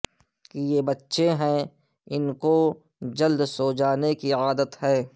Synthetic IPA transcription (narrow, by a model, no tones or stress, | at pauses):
kijebɐtːʃeɦɛ̃ | ɪnko | d͡ʒɐld̪soːd͡ʒaːnekiaːd̪ət̪ɦɛ̃ː